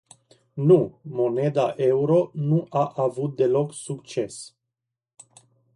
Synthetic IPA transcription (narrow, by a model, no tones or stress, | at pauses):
numo̞ne̞d̪aʔe̞uɾo̞nuʔaʔavut̪̚d̪e̞lo̞ksukt͡ʃe̞s